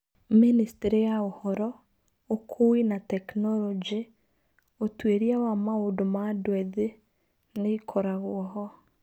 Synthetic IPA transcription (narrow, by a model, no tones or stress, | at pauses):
ministeɾejaohɔɾɔ | okʰoinatɛknɔlɔd͡ʒi | otweɾiawamaodomadwɛðe | neikʰɔɾaɣoɔɦɔ